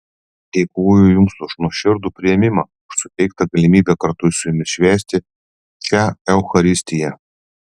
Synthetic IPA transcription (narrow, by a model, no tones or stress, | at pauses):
d̪ʲɛɪkuʊjʊjʊŋkst̪ʊʃnuɔʃʲɪɾd̪uːpʲɾʲɪjɛmʲɪmɑː | ʊʃsʊt̪ʲɛɪk̚t̪ɐɡɐlʲɪmʲiːbʲɛkɐɾt̪ʊɪsʊjʊmʲɪʃʲʋʲæːsʲt̪ʲɪ | t͡ʃʲæɛʊxɐɾʲɪsʲt̪ʲɪjɛ